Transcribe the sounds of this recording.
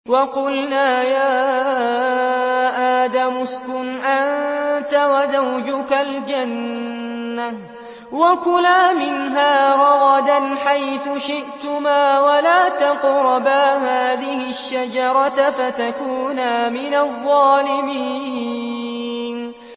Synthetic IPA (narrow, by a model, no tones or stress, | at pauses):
wɑqʊlnaːjaː | ʔaːd̪amʊskʊnʔannt̪awazawd͡ʒʊkald͡ʒanː | a | wakʊlaːmɪnɦaːɾˤɑɣɑd̪anħajθʊʃɪʔt̪ʊmaːwalaːt̪ɑqɾˤɑbaːhaːðɪhɪʃːad͡ʒɑɾˤɑt̪fat̪akuːnaːmɪnaðˤːɑːlɪmiː | n